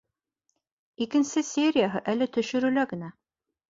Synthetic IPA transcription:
ikɘ̆nsɘsʲeɾʲɪjaɦɤʔælɘt̪ɵ̆ʃɵ̆ɾʉlæɡɘ̆næ

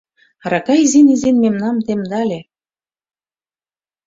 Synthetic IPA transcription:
ɾɑkɑjzenizenmemnɑmt̪emd̪ɑlʲe

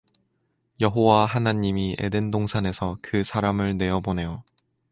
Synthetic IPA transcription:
jʌɦowaɦanaɲimiḛdendoŋsʰane̞sʰʌkɯsʰaɾamɯɭne̞ʌbone̞jo

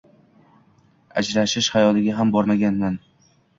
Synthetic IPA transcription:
a̰d͡ʒɾaʃɪʃhajɒlɪɡʲaɦambɒɾmaɡʲanːan

